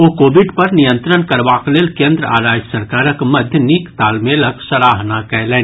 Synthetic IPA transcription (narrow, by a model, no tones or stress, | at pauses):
oːkoːʋɪɖpɐɾnijə̃nt̪ɾənkɐɾʋaːkleːlkẽːnd̪ɾəʔaːɾaːd͡ʒsɐɾkaːɾəkmɐd̪ʱjəniːkt̪aːlmeləksɐɾaːɦnakɛɦlẽːn